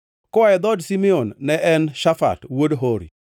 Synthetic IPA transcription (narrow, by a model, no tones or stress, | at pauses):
kɔaɛd̪ɔdsimionːɛʔɛnʃafa̰twodɦoɾḭ